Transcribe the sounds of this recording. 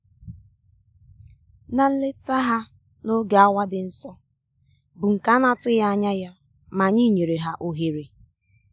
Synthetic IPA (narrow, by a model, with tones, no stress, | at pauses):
na˦n̩˦le˦ta˦ɦa˦ | no˦ɡa˨a˦wa˦dɪ˨n̩˦sɔ˦ | bʊ˨ŋ̩˨ka˦na˦tʊ˦ja˦a˦ɲa˦ja˦ | ma˨ɲi˦˨ɲe˨ɾe˨ɦa˦ʔo˨ɦe˨ɾe˨